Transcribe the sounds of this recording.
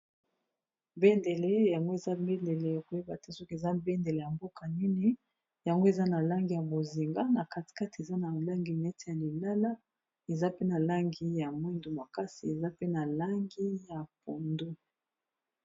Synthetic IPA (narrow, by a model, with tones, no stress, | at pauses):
be˦nde˨le˦ja˨ŋɡo˦e˨za˦mbe˦nde˨le˨ja˨ko˨e˦ba˨te˦so˦ki˦˨e˨za˦be˦nde˨le˨ja˨mbo˦ka˨ni˦ni˦ | ja˨ŋɡo˦e˨za˦na˨la˦ŋɡi˨ja˨bo˨zi˨ŋɡa˦na˨ka˨ti̥˨ka˦ti˨e˨za˦na˨la˦ŋɡi˨nɛ˦te˨ja˨li˨la˦la˦ | e˨za˦pe˦na˨la˦ŋɡi˦ja˨mwi˦ndo˨ma˨ka˦si˨e˨za˦pe˦na˨la˦ŋɡi˦ja˨p̚o˨ndu˦